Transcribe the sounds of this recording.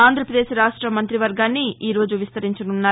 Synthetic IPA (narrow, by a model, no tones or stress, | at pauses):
aːnd̪ʱɾɐpɾɐd̪eːʃɾaːʂʈɾɐmɐnt̪ɾiʋɐɾɡaːnːiiːɾo̞ːd͡ʒuʋist̪ɐɾiɲt͡ʃɐnunːaː